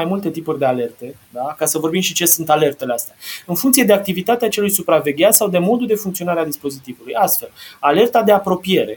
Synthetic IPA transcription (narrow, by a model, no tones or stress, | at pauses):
ajmult̪e̞t̪ipurʲd̪e̞ale̞rt̪e̞d̪akasəvo̞rbimʃit͡ʃe̞sunt̪ale̞rt̪e̞least̪eaɨnfuŋkt̪sije̞d̪eak̚t̪ivit̪at̪eat͡ʃe̞lujsupɾave̞ɡʲat̪sawd̪e̞mo̞d̪ud̪e̞fuŋkt̪sio̞naɾead̪ispo̞zit̪ivulujast̪fe̞lale̞rt̪ad̪e̞apɾo̞pije̞ɾe̞̰